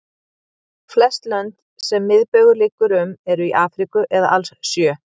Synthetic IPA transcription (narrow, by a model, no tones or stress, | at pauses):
flɛst̪lɛnt̪ | sɛmːɪðpœːɥɣʏlɪːkʏɾʏmɛɾʏiʔaːfɾikʏʔɛðaʔalssjœː